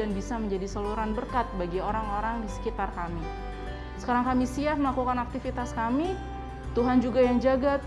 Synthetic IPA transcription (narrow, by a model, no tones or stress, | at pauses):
anbisaməɲd͡ʒadisaluɾanbərkat̪̚baɡioɾaŋoɾaŋdisə̥kit̪arkami | sə̥kaɾaŋkamisiaməlakukanak̚t̪ifit̪askami | t̪uɦand͡ʒuɡajaŋd͡ʒaɡa